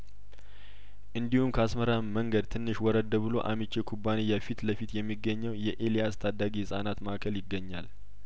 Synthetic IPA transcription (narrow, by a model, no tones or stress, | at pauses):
ʔɨnd̪ihumkʰəasməɾaməŋɡəd̪t̪ʰɨnːɨʃwɔɾəd̪əβbɨlo̞̰ʔamit͡ʃːekʰubːanijafit̪ləfit̪jɛmːiɡːəɲːəwjɛʔelijast̪ʰad̪ːaɡiɨsʼanat̪makʰəljɪɡːəɲːal